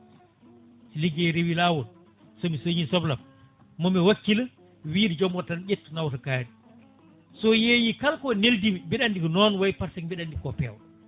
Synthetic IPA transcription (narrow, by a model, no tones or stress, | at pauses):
siliɡeɾewilaːwɔl | sɔmisoɲisɔblamː | ɔmɛwakːila | wiːɾd͡ʒɔmɔtanɗetːnawtakaːɾi | sɔjejikalkɔneldimibiɗandikɔnɔnwajpaɾsɛŋmbɛɗandikɔpɛw